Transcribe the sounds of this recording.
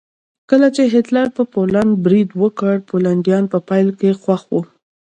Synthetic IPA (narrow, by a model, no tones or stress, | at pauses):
kəlat͡ʃeɦɪt̪laɾpəpolanɖ̚bɾid̪wəkəɽpolaɳɖjɑnpəpɑjlkexwaxwu